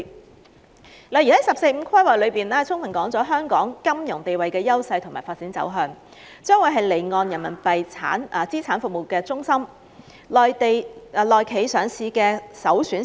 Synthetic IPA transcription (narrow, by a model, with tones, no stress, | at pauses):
la˨jy˨˩hɐ˨˥jsɐ˨p̚se˧jm̩˨˧kʰɐ˥jwaː˨˩jlɵ˨˧ɥpiː˨nlɛː˥t͡sʰʊ˥ŋfʰɐ˨˩nkɔː˨˥ŋt͡sɔː˨˥ɦœː˥ŋkɔː˨˥ŋkɐ˥mjʊ˨˩ŋt̪e˨jwɐ˨jkɛː˧jɐ˥wsɐ˧jt̪ʰʊ˨˩ŋmaː˨˩faː˧t̚t͡siː˨˥nt͡sɐ̰˨˥wɦœː˧ŋ | t͡ʃœː˥ŋwuː˨˥jɦɐ˨jle˨˩jŋɔː˨˧njɐ˨˩nmɐ˨˩npɐ˨jt͡sʰa̰ː˨˥nɐ˨˩t͡siː˥t͡sʰaː˨˥nfʊ˨k̚mo˨˩wkɛː˧t͡sʊ˥ŋsɐ˥m | lɔː˨jt̪e˨jlɔː˨˩jkʰe˨˥jsœː˨˥ŋsʰiː˧kɛː˧sɐ˨˥wsyː˨˥n